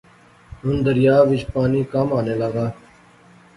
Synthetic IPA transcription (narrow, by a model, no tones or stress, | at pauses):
ɦʊnd̪əɾɪjaːʋɪd͡ʒpaːniːkamaːneːlaːɡaː